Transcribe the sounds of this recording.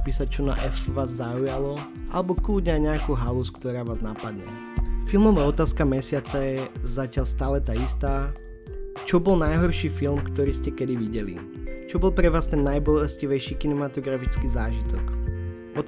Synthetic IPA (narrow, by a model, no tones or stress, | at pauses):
piːsac̚t͡ʃɔna̰ʔɛfʋaːzːaujalɔ | ʔa̰lɛbɔkluɟɲaɲɛakuɦaluskt̪ɔɾaːʋaːznapad̪ɲɛ̰ | filmɔʋaːɔt̪aːskamɛsɪat͡sɛɛzacɪaʎst̪aːlɛt̪aist̪aː | t͡ʃɔbɔlnajɦɔɾʃiːfilmkt̪ɔɾiːscɛkɛd̪iʋiɟɛlḭ | t͡ʃɔbɔlˠpɾɛʋaːst̪ɛnːajbɔlɛsciʋɛjʃiːkinɛmat̪ɔɡɾafit͡skiːzaːʒit̪ɔk | ɔ